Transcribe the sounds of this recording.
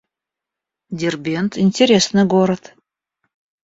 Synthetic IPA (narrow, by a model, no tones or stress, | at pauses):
d̪ʲerbʲent̪inʲtʲeɾʲesnɨɡoɾət̪